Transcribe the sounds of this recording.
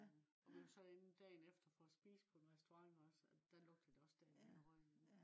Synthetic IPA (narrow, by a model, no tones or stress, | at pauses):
ɒʋiusɒ̽en̩d̥ɛ̰ːnefd̥ɐfɒːsb̥ḭːsə̥pʰɒ̽nʁɛsd̥oʁɑ̈ŋmɒsd̥ælɔ̽ɡ̥̚d̥əd̥e̝ɒ̽sd̥ɛ̥inɒʁɒ